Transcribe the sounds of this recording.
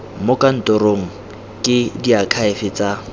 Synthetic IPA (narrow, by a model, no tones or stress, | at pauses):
mʊkʼan̩tʊɾoŋ̩ | kʼɪdiakʰaɪfɪt͡sʼa